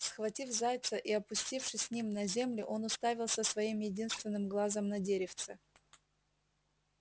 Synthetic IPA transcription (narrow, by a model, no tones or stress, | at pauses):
sxvɐtʲifzajʲt̪səʔiɐpʊsʲtʲifʂɨsʲːnʲimnɐzʲe̞mlʲɪʔo̞nʊst̪avʲɪlˠsəsvɐimjɪdʲinst̪vʲɪnːɨmɡlˠazəmnɐdʲeɾʲɪft̪sɨ